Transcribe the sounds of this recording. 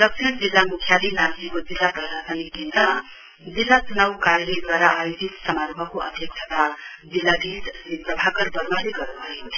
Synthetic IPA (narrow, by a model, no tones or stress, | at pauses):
d̪ʌk̚t͡ʃʰind͡zilːamukʰjalinansikod͡zilːapɾʌsasʌnikint̪ʌ | d͡zilːat͡sunawkaɾeled̪waɾaʔajod͡zit̪sʌmaɾbʱʌkoʔʌ̰d̪ʱjʌk̚t͡ʃʰʌt̪ad͡zilːad̪ʱissipɾʌbʱakʌɾbʌɾmaleɡʌɾuʌintʰ